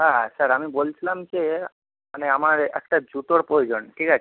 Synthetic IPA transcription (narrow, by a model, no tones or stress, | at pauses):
ɦasəɾəmibolt͡ʃlamt͡ʃʰe | əneəmaɾeʔəkʈad͡ʒut̪oɽpojd͡ʒənʈʰikat͡ʃʰ